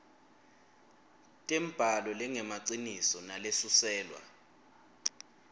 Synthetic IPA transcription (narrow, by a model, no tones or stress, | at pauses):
tʼɛm̩b̥ʱalɔlɛŋɛmaǀinisɔnalesusɛːlwa̰